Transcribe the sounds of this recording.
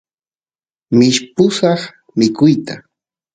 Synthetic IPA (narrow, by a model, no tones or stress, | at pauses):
mɪʃpʊsɑχ | mɪkʊjt̪a